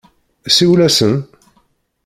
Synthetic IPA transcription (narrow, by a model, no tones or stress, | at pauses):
siwlæsən